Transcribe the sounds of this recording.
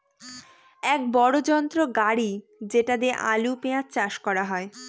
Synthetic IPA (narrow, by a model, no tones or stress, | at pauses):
ɛk̚bɔɽod͡ʑɔnt̪ɾoɡaɽid͡ʑeʈad̪eʔa̰lupeat͡ɕaʃkɔɾaɦɔe